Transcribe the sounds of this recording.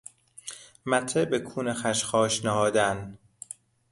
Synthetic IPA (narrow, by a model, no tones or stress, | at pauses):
mæt̪ʰebekʰuːnexæʃxɒːʃnehɒːd̪æn